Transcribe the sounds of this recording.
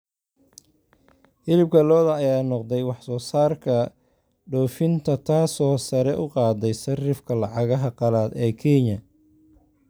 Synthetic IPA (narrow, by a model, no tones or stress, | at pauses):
hɪlɪb̚kʰɐlɔːðɐːjaːnɔqd̪ɛjwɑħsɔːsaːrkʰɐ | ɖɔːfɪnt̪ʰɐt̪ʰaːsɔːsɐɾɛʔʊqɑːd̪ɛjsɐrɪfkʰɐlɑʕɑɣɐɦɐqɑlaːd̪ɛːkʰɛɲɐ